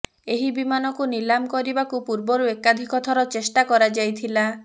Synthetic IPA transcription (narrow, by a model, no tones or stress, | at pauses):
eɦibimanɔkunilamkɔɾibakupuɾbɔɾuekad̪ʱikɔt̪ʰɔɾɔt͡ʃesʈakɔɾad͡ʒajt̪ʰila